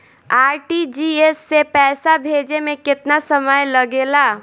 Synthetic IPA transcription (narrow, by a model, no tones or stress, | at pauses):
aːɾʈid͡ʒiesːepɛːsabʱed͡ʒemẽkɪt̪nasəməjləɡela